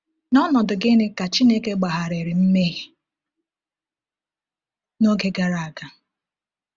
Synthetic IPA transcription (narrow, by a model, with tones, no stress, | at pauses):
nɔ˦nɔ˨dʊ˨ɡɪ˦ne˦ka˨t͡ʃi˦ne˦ke˦ɡ͡ba˨ɦa˨ɾe˨ɾɪ˨m̩˦me˦ɦi˨ | no˦ɡe˦ɡa˨ɾa˨a˨ɡa˨